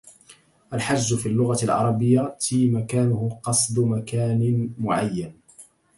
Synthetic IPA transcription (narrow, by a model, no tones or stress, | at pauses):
ʔalħad͡ʒzʊfiːlːʊɣalʕɑ̰ɾˤɑbɪjːat̪iːmakaːnʊhʊqɑsˤd̪makaːnɪmʊʕajːan